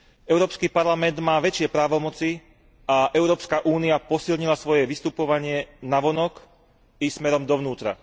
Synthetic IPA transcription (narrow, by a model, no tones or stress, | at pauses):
ɛʊɾɔːpskipaɾlamɛnd̪maːʋɛt͡ʃɪɛpɾaːʋɔmɔt͡si | aʔɛʊɾɔːpskaʔuːniapɔsilɲilasʋɔjɛʋist̪upɔʋaɲɪɛnaʋɔnɔk | ismɛɾɔmd̪ɔʋnuːt̪ɾa̰